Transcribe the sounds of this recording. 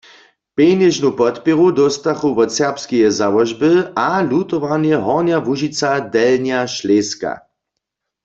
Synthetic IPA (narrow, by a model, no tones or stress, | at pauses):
penɛʒnupɔt̪pɛʁud̪ɔst̪axuʋɔsɛʁpskijɛzawɔʒbəalut̪ɔʋanjɛɦɔʁnjavuʒit͡sad̪ɛlnjaʃleːska̰